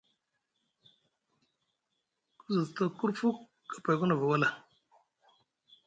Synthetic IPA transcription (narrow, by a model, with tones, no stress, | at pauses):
ku˦zɨ˨tə˦ku˦ɾfu˦kː | ə̥˨pa˨jku˦nə˨və˨wə˦la˨